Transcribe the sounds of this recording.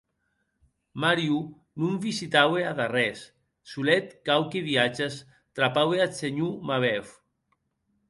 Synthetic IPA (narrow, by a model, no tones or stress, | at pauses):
maɾju | numvisit̪aweaðarɛsː | ulɛt̪̚kawkeβiat͡ʃas | t̪ɾapaweat͡seɲumaβɛf